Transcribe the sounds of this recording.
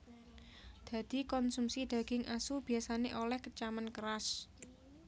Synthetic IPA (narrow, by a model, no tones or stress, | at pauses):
d̪̥ä̤d̪̥i̤kɔnsumsid̪̥a̤ɡ̥ɪŋʔasub̥i̤asaneʔolɛhkət͡ʃamənkəɾas